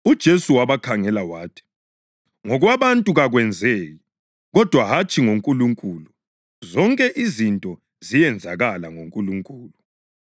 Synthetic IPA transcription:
ud̥ʒ̥ʱesuwaβakʰaŋɛlawaːtʰi̥ | ŋɔɣwaβantʼuɣaɣwɛnd͡zʱeji | ɣɔd̥ʱwaɦat͡ʃʰʼiŋoŋkʼuluŋkʼulu | zɔŋkʼɛʔizintʼɔ | zijɛnd͡zʱaɣalaŋoŋkʼuluŋkʼuːlu

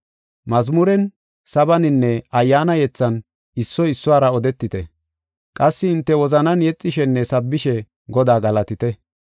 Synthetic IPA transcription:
mɐzmʊɾɛn | sɐbɐnɪnːɛɐjːaːnɐjɛt͡sːɐn | ɪsːɔɪsːʊwaːɾɐɔd̪ɛt̪ːɪt̪ɛ | kʼɐsːɪɪnt̪ːɛwɔzɐnɐnjɛt͡sʼːɪʃɛnːɛsɐbːɪʃɛ | ɡɔd̪aːɡɐlɐt̪ɪt̪ɛ

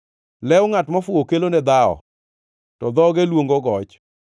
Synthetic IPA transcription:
lɛʊŋatmɔfʊokelonɛd̪aɔ̰ | tɔd̪ɔɡelwoŋɡoɡɔt͡ʃ

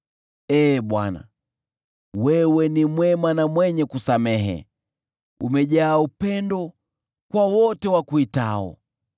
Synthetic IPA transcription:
ɛːɓwa̰na̰ | wɛwɛnimwɛmanamwɛɲɛkusamɛɦɛ̰ | ṵmɛʄaːupɛndɔ | kwawɔtɛwakuitaɔ̰

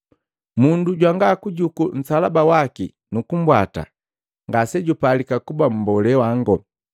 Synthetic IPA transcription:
munduɟwaŋɡaːkuɟukun̩salabawaki | nukum̩bwa̰ta̰ | ŋɡasɛɟupalikakubam̩bɔlɛwaŋɡɔ

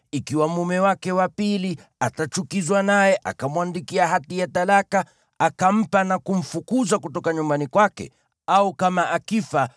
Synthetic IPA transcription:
ikiwamumɛwakɛwapiliatat͡ʃukizwanajɛʔa̰kamuandikiaɦatijatalaka | akam̩panakum̩fukuzakutɔkaɲumbanikwakɛ̰ | aukamaʔakifa

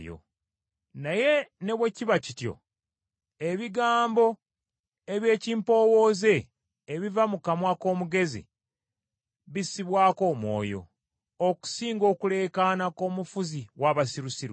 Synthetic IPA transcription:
jo̰ | naje̞ne̞βwe̞ciβacitjo̞̰ | e̞βiɡaːmbo̞ | eβje̞ːciːmpo̞ːwo̞ːze̞ː | βivamukamwako̞ːmuɡe̞zḭ | βisiβwaːko̞ːmwo̞̰ːjo̞̰ | oku̥siːŋɡo̞ːkule̞ːkanako̞ːmufuziwaβasiɾusiɾ

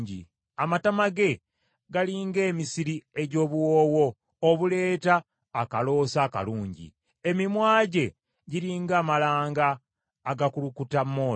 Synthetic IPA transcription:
ɟḭ | amatamaɡe̞ | ɡaliːŋɡe̞ːmisiɾieɟo̞ːβuwoːwo̞ː | βule̞ːtaː | kalo̞ːsaːka̰luːɲɟḭ | emimwaːɟe̞ | ɟiɾiːŋɡaːmalaːŋɡaː | ɡakulukutamːoː

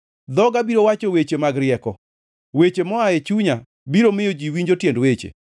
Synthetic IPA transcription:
d̪ɔɡabiɾowat͡ʃowet͡ʃemaɡɾɪɛkɔ | wet͡ʃemɔaet͡ʃuɲa | biɾomɪjod͡ʒiwiɲd͡ʒotjendwet͡ʃḛ

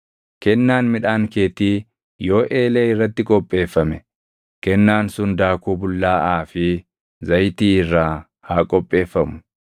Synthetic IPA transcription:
kɛnːaːnmɪᶑaːŋkeːt̪iː | jo̞ːʔeːleːɪrːɐt̪ːɪkʼɔpʼːe̞ːfːɐmɛ | kɛnːaːnsʊnd̪aːkuːbʊlːaːʔaːfɪ | zɐjt̪iːɪrːaː | haːkʼɔpʼːe̞ːfːɐmʊ̥

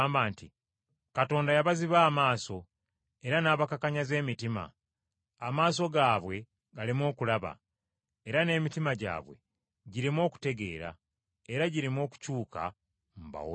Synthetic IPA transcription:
mbaːnti | kato̞ːndajaβaziβaːmaːso̞ | e̞ɾanaːβakakaɲaze̞ːmitima̰ː | maːs̬o̞ɡaːβwe̞ | ɡalimo̞ːkulaβa̰ | eɾane̞ːmitimaɟa̰ːβwe̞̰ | ɟiɾimo̞ːku̥te̞ɡe̞̰ːɾa̰ | eɾaɟiɾimo̞ːku̥cuːka̰ | m̩ba̰wo

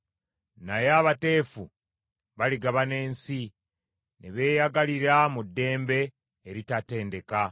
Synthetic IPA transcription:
najaβate̞ːfu | βaliɡaβane̞ːnsi | neβe̞ːjaɡaliɾamudːe̞ːmbe̞ː | ɾitate̞ːnde̞ka

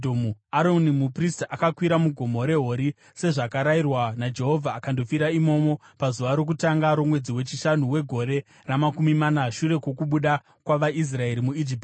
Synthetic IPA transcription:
domuaɾonimupristʔakakwiɾamuɡʱo̞mo̞ɾe̞ɦo̞ɾi | se̞ʐakaɾairwanad͡ʒe̞ɦo̞vʱaːkando̞fiɾaimo̞mo̞ | pazuʋaɾo̞k̬utaŋɡaɾo̞mwe̞d͡ziwe̞t͡ʃiʃanuwe̞ɡʱo̞ɾe̞ | ramakumimanaʃuɾe̞kwo̞kuɓuɗa | kwaʋaʔis̬rae̞ɾimuid͡ʒipti̥

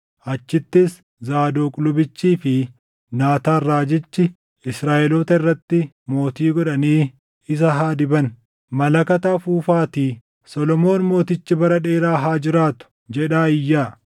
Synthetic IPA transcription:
ʔɐt͡ʃːɪt̪ːɪs | zaːd̪oːkʼʊlʊbɪt͡ʃːiːfɪ | naːt̪aːrːaːd͡ʒɪt͡ʃːɪ | ɪsɾaːʔɛloːt̪ɐɪrːɐt̪ːɪ | mo̞ːt̪iːɡɔᶑɐniː | ɪs̬ɐɦaːd̪ɪbɐn | mɐlɐkɐt̪afuːfaːt̪iː | sɔlɔmo̞ːnmo̞ːt̪ɪt͡ʃːɪbɐɾɐᶑeːɾaːɦaːd͡ʒɪɾaːt̪ʊ̥ | d͡ʒɛᶑaːɪjːaː

